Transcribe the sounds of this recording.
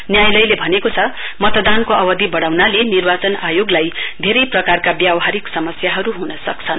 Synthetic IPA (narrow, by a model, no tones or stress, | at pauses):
njajlʌjlebʱʌnekot͡sʰʌ | mʌt̪d̪ankoʌbʌd̪ʱibʌɽawnalenirbat͡sʌnajoɡlajd̪ʱeɾʌjprʌkarkabjawɦaɾiksʌmʌsjaɦʌɾuɦunʌsʌkt͡sʰʌn